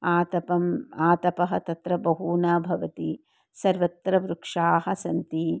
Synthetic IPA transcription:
aːt̪ɐpɐmaːt̪ɐpɐɦɐt̪ɐt̪ɾɐbɐɦuːnaːbʱɐʋɐt̪i | sɐɾʋɐt̪ɾɐʋɾukʂaːɦɐ̆sɐnt̪i

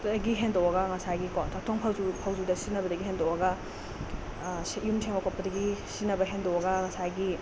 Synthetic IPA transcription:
dɐɡiɦendowɐɡɐŋɐsajɡikontʰak̚tʰoŋpʰawzupʰawzudɐsinɐbɐdɐɡiɦendowɐɡɐ | sjumtʰeŋmakʰot̚pːɐdɐɡisinɐbɐɦendowɐɡɐŋɐsajɡi

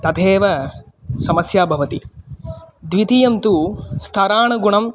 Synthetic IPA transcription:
t̪ɐt̪ʰeːʋɐ | sɐmɐsjaːbʱɐʋɐt̪ḭ | d̪ʋit̪ijɐmt̪ust̪ʰɐɾaːɳɐɡuɳɐm

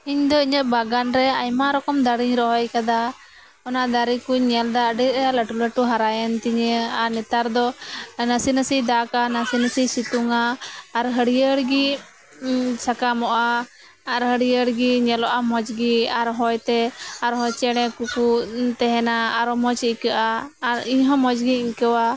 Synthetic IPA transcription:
iɲd̪ɔiɲəʔbaɡanɾɛajmaɾɔkɔmd̪aɽiɲɾɔɦɔjkad̪a | ɔnaʔd̪aɾikuɲɛld̪aɖiɾləʈuləʈuɦaɾajənt̪iɲəanɛt̪aɾd̪ɔnəsinəsid̪akanasinəsisit̪uŋaːɾɦəɽijəɽɡi | sakamɔʔaː | ɾɦəɽijəɽɡiɲɛlɔʔamɔd͡ʒɡiaɾɦɔjt̪ɛaɾɦɔjt͡ʃɛɽ̃ɛ̃kukut̪ɛɦɛnaːɾɔmɔt͡ʃikəʔaːɾiɲɦɔ̃mɔd͡ʒɡiiɲkəwa

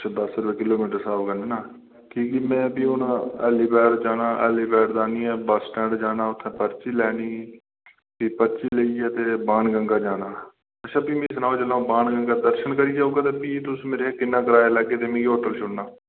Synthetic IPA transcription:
t͡ʃʰːd̪əsɾʋeːkɪloːmiːʈəɾsaːbkəneːnaː | kiːkiːmɛ̃ːpiːʊnãːɛːliːpɛːɾd͡ʒaːnaːʔɛ̰ːliːpɛːɾd̪aːniːɛːbəsʈɛ̃ːɳɖd͡ʒaːnaːʊt̪ʰːẽːpəɾt͡ʃiːlɛːniː | piːpəɾt͡ʃiːleiːɛːt̪eːbaːnɡəŋɡaːd͡ʒaːnaː | əʃʰãːpiːmẽːsənaːoːd͡ʒəlãːbaːnɡəŋɡaːd̪əɾʃənkəɾiːd͡ʒaːuːɡaːt̪eːpiːt̪ʊsmeːɾeːkɪnːãːkəɾaːjaːlɛːɡeːt̪eːmẽːɡioːʈəlt͡ʃʰʊɽnaː

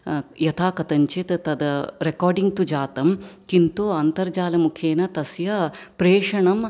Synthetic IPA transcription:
jɐt̪ʰaːkɐt̪ɐɲt͡ʃet̪ɐt̪ɐd̪ɐɾekɔːɾɖiŋɡt̪ud͡ʒaːt̪ɐmkint̪oːɐnt̪ɐɾd͡ʒaːlɐmukʰeːnɐt̪ɐsjɐpɾeːʂɐɳɐm

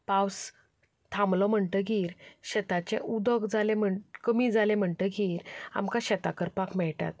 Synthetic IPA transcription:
paws | t̪ʰãmlɔm̤əɳt̪əɡiːɾɕɛt̪at͡ɕeʔud̪əɡd͡zalẽm̤əɳkəmid͡zalẽm̤əɳʈ̪əɡiːɾa̰mkaɕɛt̪akəɾpakmɛɭʈa̰t̪̚

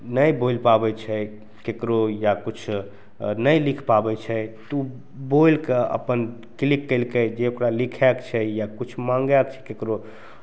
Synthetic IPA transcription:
nəjbojlpabɛt͡ʃʰɛ | kekɾojakut͡ʃʰ | nəjlikʰpabɛt͡ʃʰɛt̪u | bojlkeə̰pən | klikːəlked͡ʒeokɾalikʰɛkt͡ʃʰɛjakut͡ʃʰmãŋɡɛkt͡ʃʰɛ̥kekɾo

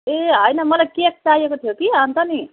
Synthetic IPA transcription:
eɦʌjnʌmʌlaɡkek̚t͡sajekot̪ʰijokiɦʌnt̪ʌni

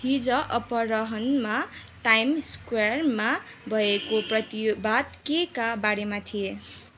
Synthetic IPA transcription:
hid͡zʌʔʌpʌɾʌɦʌnma | ʈajmskwarma | bʱʌekoprʌt̪ibad̪kekabaɽemat̪ʰije

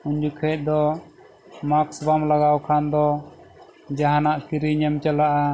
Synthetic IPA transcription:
uɲd͡ʒukʰɛc̪̚ˀd̪ɔ | maksbamlaɡawkʰand̪ɔ | d͡ʒaɦanaʔkiɾiɲəmt͡ʃalaʔa

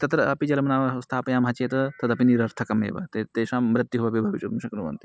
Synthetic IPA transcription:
t̪ɐt̪ɾɐɐpid͡ʒɐlɐmɐnaːʋɐst̪ʰaːpɐjaːmɦɐt͡ʃeːt̪ɐt̪ɐt̪ɐpiniɾɐɾt̪ʰɐkɐmḛːʋɐ̰t̪et̪eːʃaːmɾɐt̪ːjuɦuʋabibʱɐʋit͡ʃuɾmuʃɐknuʋɐ̰nt̪i̥

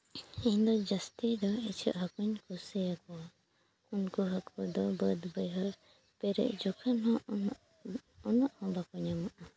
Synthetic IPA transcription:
iɲd̪ɔd͡ʒast̪id̪ɔit͡ʃʰə̰ʔɦakuɲkɔsɛjakɔwa | unkɔɦakɔd̪ɔbəd̪bəjɦaɾ | pɛɾɛ̰ʔd͡ʒɔkʰanɦɔ̃ | ɔnɔʔhɔ̃bakɔɲamaʔa

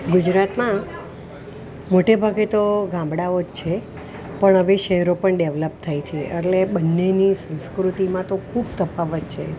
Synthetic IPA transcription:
ɡʊd͡ʒɾat̪mã | moʈebʱaɡet̪oɡãmbɽaod͡ʒt͡ʃʰe | pəɳəʋeʃəɦɛɾopəɳɖeʋləp̚t̪ʰajt͡ʃʰeʔeʈleɓənːenisə̃skɾut̪imãt̪okʰubt̪əpaʋət̪t͡ʃʰe

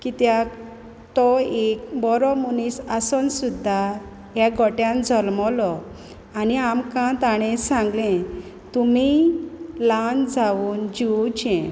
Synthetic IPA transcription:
kit̪ja | t̪ɔekbɔɾɔmunisasɔnsud̪ʱːa | jaɡʱɔʈjãnd͡zʱɔlmɔlɔ | aniamkãt̪aɽ̃ɛ̃sãŋɡlɛ̃ | t̪umi | land͡zawuːnd͡ʑiut͡ɕɛ̃

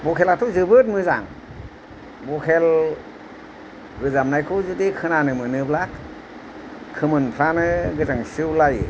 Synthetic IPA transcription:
bɔkʰelatʰɔzɯbɯt̚mɯza̰ŋ | bɔkʰel | ɡɯzamnajkʰuzudikʰɯnanɯmɯnɯblak̚ | kʰɯmɯnpʰɾanɯɡɯzaŋsɯwlajḛ

